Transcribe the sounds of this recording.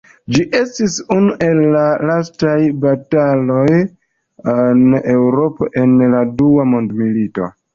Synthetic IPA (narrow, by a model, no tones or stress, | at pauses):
d͡ʒiʔe̞stisunuʔe̞lːalastajbatalo̞j | ane̞wɾo̞po̞̰ʔe̞nladuamo̞ndmilito̞̰